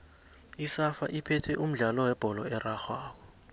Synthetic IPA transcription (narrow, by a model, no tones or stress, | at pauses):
isafa̰ʔipʰɛtʰɛʔum̩ɮalɔwɛb̥ʱɔlɔ̰ɛraxwaːk̬ɔ